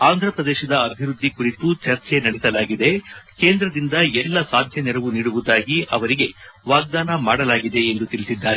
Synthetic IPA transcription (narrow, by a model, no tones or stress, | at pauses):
aːnd̪ʱɾɐpɾɐd̪eːʃɐd̪ɐːbʱiɾud̪ːikuɾit̪ut͡ʃɐɾt͡ʃe̞nɐɽɛsɐlaːɡid̪e̞ke̞ːnd̪ɾɐd̪ind̪ɐɛlːɐsaːd̪ʱjɐnɛɾɐʋuniːɽuʋud̪aːɡiʔɐʋɐɾiɡe̞ʋaːɡ̚d̪aːnɐmaːɽɐlaːɡid̪e̞ːnd̪ut̪ilisid̪ːaːɾe